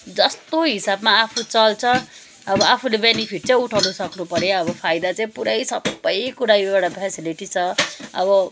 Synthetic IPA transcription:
d͡zʌst̪oɦisabmaapʰut͡sʌlt͡sʰʌ | ʌbʌapʰulebenipʰiʈ̚t͡sʌj̃uʈʰawnusʌknupʌɾeʌbʌpʰajd̪at͡saĩpuɾʌjsʌbːʌjkuɾajbaɽʌpʰɛsiliʈit͡sʰʌʌ̰bʌ

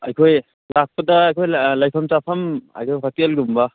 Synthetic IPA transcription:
ajkʰoj | lak̚pɐdɐjkʰojlajpʰɐmt͡ʃapʰɐma̰jkʰopʰak̚telɡumbɐ

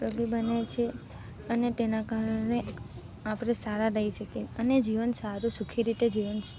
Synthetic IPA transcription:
pɾəɡibənet͡ʃʰe | ənet̪enakaɾəɳe | apɽesaɾaɾəiʃəkeəned͡ʒiʋənsaɾũsukʰiɾit̪ed͡ʒiʋən

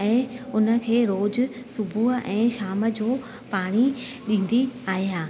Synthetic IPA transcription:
ɛ̃ːʊnə̆kʰeːɾoːd͡ʑʊsʊbʱuɦəʔɛ̃ːʃaːmə̆d͡ʑoː | paːɽ̃i | ɗĩːn̆d̪iaːɦiɦaː

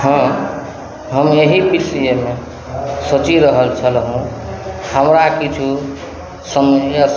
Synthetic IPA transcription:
hʌ̃ | ɦʌmeɦipisijeme | sot͡ʃiɾʌɦʌlt͡sʰʌlɦõhamɾakit͡ʃʰu | sʌmja

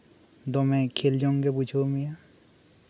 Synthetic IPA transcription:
d̪ɔmẽkʰeld͡ʒɔŋkeput͡ʃʰomija

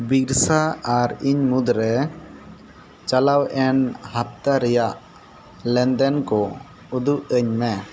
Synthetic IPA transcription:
biɾsaaɾiɲmud̪ɾɛ | t͡ʃalawɛnhap̚t̪aɾɛjaʔ | lɛnd̪ɛnkɔ | ud̪uʔəɲmɛ

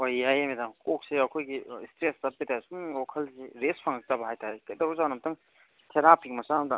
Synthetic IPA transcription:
ojajamedamkok̚seɐkʰojɡistɾestɐp̚pitʰasuŋokʰɐlseɾespʰɐŋɐk̚tabɐɦajtaɾekɐdɐuzawnɐmtʰɐŋ | tʰeɾapʰik̚mɐsanɐmda

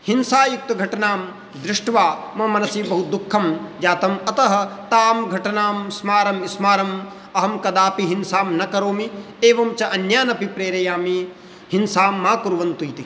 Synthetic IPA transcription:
hinsaːjuk̚t̪ɐɡʱɐʈɐnaːm | d̪ɾɪʂʈʋaːmɐmɐnɐsiːbɐɦud̪ukʰːɐmd͡ʒaːt̪ɐmɐt̪ɐɦɐ̆t̪aːmɡʱɐʈɐnaːmsmaːɾɐmismaːɾɐm | ɐɦɐmkɐd̪aːpiɦinsaːmnɐkɐɾoːmi | eːʋɐmt͡ʃɐʔɐnjaːnɐpipɾeːɾɐjaːmi | ɦinsaːmːaːkuɾʋɐnt̪ujt̪i

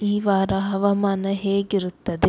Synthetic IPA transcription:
iːʋaːɾɐɦɐʋɐmaːnɐɦeːɡiɾut̪ːɐd̪i

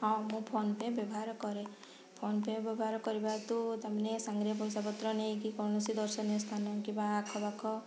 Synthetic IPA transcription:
ɦamũpʰonpebjɔbɔɦaɾɔkɔɾe | pʰonpebjɔbɔɦaɾɔkɔɾibat̪ut̪amanesaŋɡɾiɔp̬ɔjsapɔt̪ɾɔnejkikɔɾɳɔsid̪ɔɾsɔnjɔst̪ʰanɔkibaːkʰɔbakʰɔ

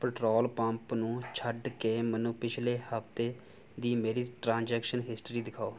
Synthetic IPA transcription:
pəʈɾoːlpə̃mpnũːt͡ʃʰəɖkeːmənũːpɪt͡ʃʰleːhəft̪eː | d̪iːmeːɾiːʈɾãːnd͡ʒɛːkʃənɦɪsʈɾiːd̪ɪkʰaːoː

